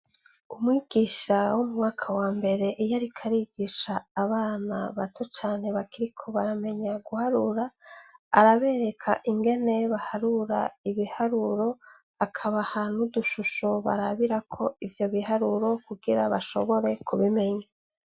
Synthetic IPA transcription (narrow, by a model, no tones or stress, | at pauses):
umwiːɡ̥iʃawomuŋaːkʰawaːmbe̞ɾe̞ʔijaɾikʰaɾiɡ̥iʃaːβaːna̰βatʰot͡ʃaːne̞βakiɾikʰo̞βaɾame̞ɲaɡuhaɾuɾa̰ː | ɾaβe̞ːɾe̞kʰaʔiŋɡe̞ne̞βahaɾuɾaiβihaɾuɾo̞ | akʰaβahanuduʃuʃoβa̰ɾaβiɾakʰo̞ivjo̞βihaɾuɾo̞kuɡiɾaβaʃo̞̰βo̞ɾe̞kuβime̞ɲa